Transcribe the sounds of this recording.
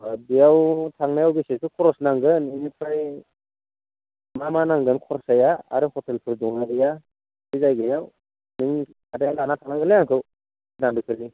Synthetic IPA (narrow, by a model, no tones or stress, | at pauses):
bijawtʰaŋnajawbisetukʰɔɾɔsnaŋɡɯninipʰɾaj | mamanaŋɡɯnkʰɔɾɔsajaa̰ɾɯhɔtelpʰɯɾdɔŋabija | bizajɡɯjaw | nɯŋ | adajalanatʰaŋnaŋɡɯnlajaŋkʰɯw | nambikʰɯɾni